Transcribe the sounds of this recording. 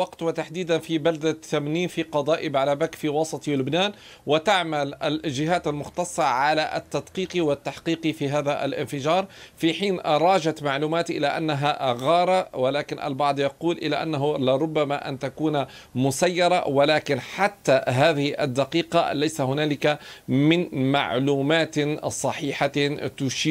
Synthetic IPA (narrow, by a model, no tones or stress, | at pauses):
wɑqt̪wɪt̪aħd̪iːd̪anfibald̪at̪ːamniːnfiqɑd̪ˤɑːʔɪbʕalabakfiːwɑsˤɑt̪ˤilʊbnaːn | wɪt̪aʕmalʔa̰lʒɪɦaːt̪almʊxt̪ɑsˤːɑʕalaʔa̰t̪ːad̪qiːqiwɪt̪ːaħqiːqifiɦaːðaʔa̰lʔɪ̰nfɪʒɑːɾˤfiħiːnɾˤɑːʒat̪maʕluːmaːt̪ʔɪlaʔa̰nːaɦaɣɑːɾˤɑwalaːkɪnʔa̰lbɑʕd̪ˤjɑquːlʔɪla̰ʔa̰nːaɦʊlɪɾˤʊbːamaʔa̰nt̪akuːna | mʊsajːɑɾˤɑ̰walaːkɪnħat̪ːaɦaːðɪhʔa̰d̪ːaqiːqɑ̰lajsahʊnaːlɪkamɪnma̰ʕluːmaːt̪sˤɑħiːħat̪ʊʃiː